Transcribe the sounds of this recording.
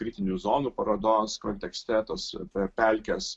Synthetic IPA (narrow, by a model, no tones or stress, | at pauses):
kɾʲiːt̪ʲɪnʲuːzoːnuːpɐɾod̪oːskonʲt̪ʲɛksʲt̪ʲɛt̪ospʲɛpʲɛlʲkʲɛs